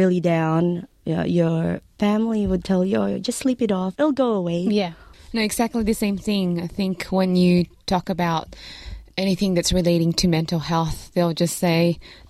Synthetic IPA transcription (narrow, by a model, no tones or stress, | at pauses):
ɪlˠidãʊ̃n | ʌ̰jə˞fæ̃mliwəd̚tʰɛlˠjɨd͡ʒʌstslipɨɾɔfɪlˠɡoʊəweɪjænoʊɨɡz̥æk̚tˡliðɨsẽɪ̃mθɪ̃ŋaɪθɪ̃ŋkʰwə̃njɨtʰɔkɨbaʊɾ | ɛñiθɪ̃ŋðɨtsɹɨleɪɾɪ̃ŋtʰɨmɛ̃ntˡl̩ˠhɛlˠθðeɪlˠd͡ʒʌstseɪ